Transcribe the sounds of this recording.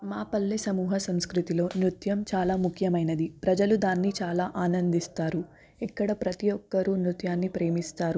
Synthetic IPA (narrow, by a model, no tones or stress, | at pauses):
maːpɐlːisɐmuːɦɐsɐmskɾut̪ilo̞ːnɾut̪jɐmt͡ʃaːlaːmukʰjɐmɐjnɐd̪ipɾɐd͡ʒɐlud̪aːnːit͡ʃaːlaːʔaːnɐnd̪ist̪aːɾu | ikːɐɽɐpɾɐt̪ijɔkːɐɾunɾut̪jaːnːipɾe̞ːmist̪aːɾu